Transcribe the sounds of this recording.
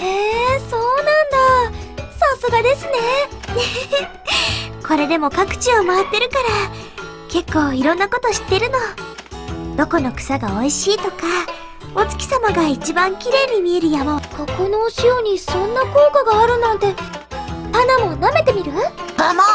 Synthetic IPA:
heːso̞ːnãnd̪asasoɡad̪e̞sɨne̞ne | ko̞ɾe̞d̪e̞mo̞kakɯ̟̥t͡ɕiomaat̪ːe̞ɾɯ̟kaɾa | ke̞kːo̞ːiɾõ̞nːako̞t̪o̞ɕi̥t̪ːe̞ɾɯ̟no̞ | d̪̥o̞ko̞no̞kɯ̟̥saɡao̞iɕiːt̪o̞ka | o̞t͡sɨ̥kʲi̥samaɡait͡ɕibãŋkʲiɾe̞ːɲ̟imʲie̞ɾɯ̟jamaokokonoːɕioɲ̟isõ̞nːako̞ːkaɡaːɾɯ̟nãnt̪e̞ | hanamo̞name̞t̪e̞mʲiɾɯ̟hama

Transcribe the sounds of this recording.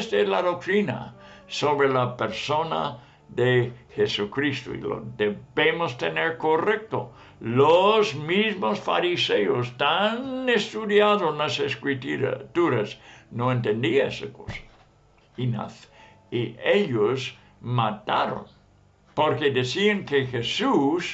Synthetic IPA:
st̪elaðok̚t̪ɾina̰soβɾelapeɾsona̰ | ðexesukɾist̪o̰ḭlo̰deβemost̪eneɾkorek̚t̪o̰ | lozmizmosfa̰ɾiseost̪anest̪uðjaðonaseskɾit̪uɾt̪uɾasnoent̪end̪iaesako̞sḁ | ina̰θ | iʔeʎos | mat̪aɾo̰n | poɾkeðesiaŋkexesus

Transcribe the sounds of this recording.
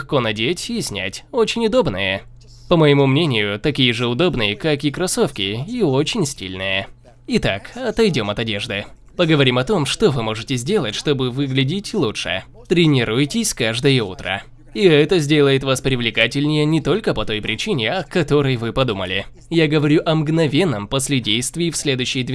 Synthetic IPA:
xko̞nɐdʲetʲɪsʲnʲæ̰tʲo̞t͡ɕɪnʲʊd̪o̞bnɨjə | pəməjɪmumnʲenʲɪjʊt̪ɐkʲijəʐɨʊd̪o̞bnɨjəkakɪkɾɐso̞fkʲɪio̞t͡ɕɪnʲsʲtʲḭlʲnɨjə | ɪt̪akɐt̪ɐjdʲo̞mɐt̪ɐdʲe̞ʐd̪ɨ | pəɡəvɐɾʲimɐt̪o̞mʂt̪o̞vɨmo̞ʐɨtʲɪzʲdʲe̞lˠətʲʂt̪o̞bɨvɨɡlʲɪdʲɪtʲlˠut͡ʂʂɨ̰ | t̪ɾʲɪnʲɪɾujtʲɪsʲkaʐd̪əjəṵt̪ɾə̰ | iɛt̪əzʲdʲe̞lˠəjɪt̪vaspɾʲɪvlʲɪkatʲɪlʲnʲɪjənʲɪt̪o̞lʲkəpɐt̪o̞jpɾʲɪt͡ɕinʲɪɐkɐt̪o̞ɾɨjvɨpɐd̪umə̰lʲɪ̰ | jaɡəvɐɾʲuʔɐmɡnɐvʲe̞nːəmposʲlʲɪdʲejst̪vʲɪjfsʲlʲe̞d̪ʊjɕːɪjd̪vʲ

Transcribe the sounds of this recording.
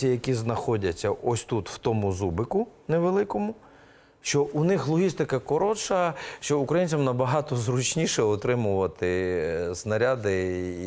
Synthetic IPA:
ijɐkʲiznɐxɔdʲɐt͡sʲːɐʔɔsʲt̪ut̪w̥t̪ɔmʊzubɪkʊneʋelˠɪkɔmʊ | ʃt͡ʃɔʔunɪxlˠɔɦʲist̪ɪkɐkɔɾɔt͡ʃɐʃt͡ʃɔukɾɐjinʲt͡sʲɐmnɐbɐɦɑt̪ɔzɾʊt͡ʃnʲiʃɛɔt̪ɾɪmʊʋɐt̪ɪznɐɾʲad̪ɪ

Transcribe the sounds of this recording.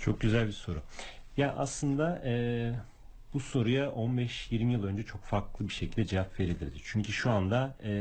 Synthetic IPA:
t͡ʃʰo̞k̚ɟyzælʲbiso̞ɾujaʔaslˠɯnd̪aɛː | b̥uso̞ɾujaʔo̞nbɛʃjiɾmijɯlˠø̞nd͡ʒɛt͡ʃʰo̞kfaɾklˠɯbiʃecʰilʲd̪ɛd͡ʒevapveɾid̪ʲiɾd̪ɪt͡ʃʰyɲcʰyʃuand̪a

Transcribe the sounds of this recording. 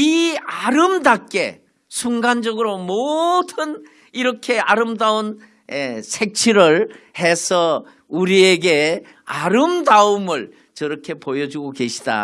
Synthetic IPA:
iaɾɯmdakk͈e̞̰ | sʰuŋɡand͡ʑʌɡɯɾomodɯn | iɾʌkʰe̞aɾɯmdaon | esʰe̞k̚t͡ɕʰiɾɯɭhe̞sʰʌ | uɾieɡe | aɾɯmdaumɯɭ | t͡ɕʌɾʌkʰe̞pojʌd͡ʑuɡoke̞ɕʰi̥d̥a̰

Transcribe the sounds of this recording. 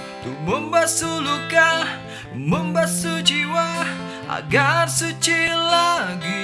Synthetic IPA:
t̪uməmbasulukah | məmbasut͡ʃiwah | ʔa̰ɡarsut͡ʃilaɡi

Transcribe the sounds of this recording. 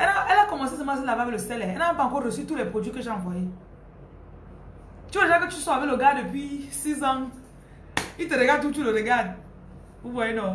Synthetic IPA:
enaelakɔmosisimas̬ilababeloseleenaapaŋkoɾesituɾepod͡ʒukeʃamfoi | t͡ʃuɾed͡ʒaket͡ʃusɔabeloɡadepisizɔm | iteɾeɡatut͡ʃuɾoɾeɡad | ubɔeno

